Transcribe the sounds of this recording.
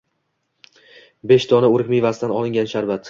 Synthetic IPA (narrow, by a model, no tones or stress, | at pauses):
beʃt̪ʰɒnaʊɾɪkʲmɪjvast̪anɒlˠɪŋɡʲanʃaɾvat̪